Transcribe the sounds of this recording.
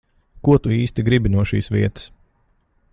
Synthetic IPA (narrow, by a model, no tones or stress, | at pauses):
kuɔt̪uiːst̪iɡɾibinuɔʃḭːsʋiɛt̪ə̥s